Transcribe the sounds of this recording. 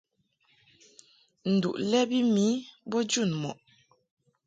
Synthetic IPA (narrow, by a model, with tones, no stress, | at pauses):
n̩˨dṵ˨ʔlɛ˦bi˦mi˨˦bɔ˦d͡ʒu˦˨nmɔ̰˨ʔ